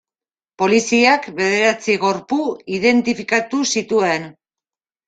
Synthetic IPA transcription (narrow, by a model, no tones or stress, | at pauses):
po̞lisiakβe̞ð̞e̞ɾat͡siɣo̞ɾpuiðe̞nt̪ifikat̪usit̪ue̞n